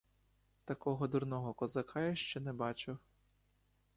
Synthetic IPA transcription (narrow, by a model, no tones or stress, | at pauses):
t̪ɐkɔɦɔd̪uɾnɔɦɔkɔzɐkʰɑjɐʃt͡ʃɛnɛbɑt͡ʃʊw